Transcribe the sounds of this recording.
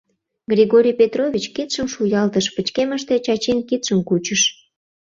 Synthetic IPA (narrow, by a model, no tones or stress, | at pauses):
ɡrʲiɣoɾʲijpʲet̪roβʲit͡ɕkit̪ʃəmʃujɑlt̪əʃpət͡ɕkeməʃt̪et͡ɕɑt͡ɕenkit̪ʃəmkut͡ɕəʃ